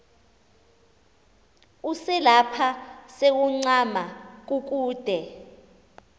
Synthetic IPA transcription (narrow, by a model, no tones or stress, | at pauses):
usɛlapʰasek̬uŋ͡ǀamak̬ʼuk̬ʼuːd̥ʱɛ